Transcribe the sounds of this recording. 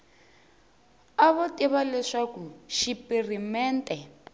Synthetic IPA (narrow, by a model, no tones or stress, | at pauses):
aβotiβalɛʂakuʃipirimɛːntʼɛ